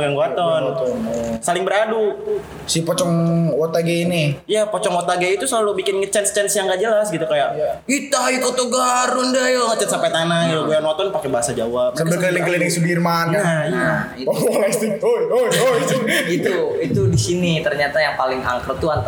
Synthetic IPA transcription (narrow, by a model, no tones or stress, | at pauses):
ɡaŋɡat̪ɔn | salɪŋbəɾadu | sipɔt͡ʃɔŋwot̪aɡeiniijapɔt͡ʃɔŋwot̪aɡeit̪uslalubikɪnŋət͡ʃɛnst͡ʃɛnsjaŋɡad͡ʒəlasɡit̪ukajaʔit̪aik̪ot̪oɡaɾʊndajŋat͡ʃansampajt̪anailoɡojanwɔt̪ɔnpakɛbaɦasad͡ʒawap̚sakabəkəlilɪŋkəlilɪŋsubirmankaaiaist̪it̪uooit̪uit̪udisinit̪ərɲat̪ajaŋpalɪŋa̰ŋkɾt̪uan